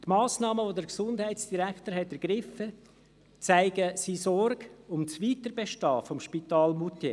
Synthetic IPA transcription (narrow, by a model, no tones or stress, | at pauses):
t̪maːsnɑːməʋodəɾksʊndhæɪt͡sd̥iɾæktəɾɦɛtɛɾɡ̥ɾɪfə | t͡saɪɡəsisɔɾɡʊmt͡sviːtəɾbeʃtɑːfɔmʃpitɑːlmute